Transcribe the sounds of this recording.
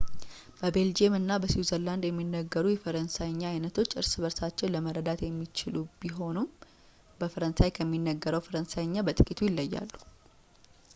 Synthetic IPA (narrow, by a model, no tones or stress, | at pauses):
b̥əbe̞ld͡ʒemɨnːabəswizəɾland̪jɛmːinːəɡːəɾujɛfəɾənsajɲːaːjnət̪ʰo̞t͡ʃːɨɾsɨβəɾsat͡ʃːɛwləməɾːəd̪at̪jɛmːit͡ʃɪlubiɦo̞num | bəfəɾənsajkʰəmːinːəɡːəɾəwfəɾənsajɲːabət̪ʼɨkʼit̪ʰujɪlːəjːa̰lːu̥